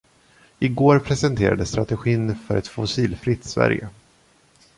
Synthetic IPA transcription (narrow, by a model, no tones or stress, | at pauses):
ɪɡoːɾpʰɾɛsɛnt̪ʰeːɾa̰d̪əst̪ɾat̪ɛɧiːnfœɾɛt̪fʊsiːlfɾɪt̪svæ̰ɾjə̰